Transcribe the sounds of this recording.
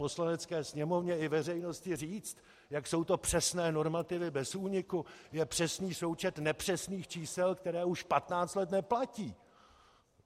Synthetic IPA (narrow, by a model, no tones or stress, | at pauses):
po̞slanɛt͡skɛːsɲɛmo̞vɲɛɪvɛrɛjno̞scɪriːt͡st̪ | jakso̞wt̪o̞pr̝̥ɛsnɛːno̞ɾmat̪ɪvɪbɛsuːɲɪkujɛpr̥ɛsniːso̞wt͡ʃɛt̪nɛpr̥ɛsniːxt͡ʃiːsɛlkt̪ɛɾɛːuʃpat̪naːt͡st̪lɛt̪nɛplaciː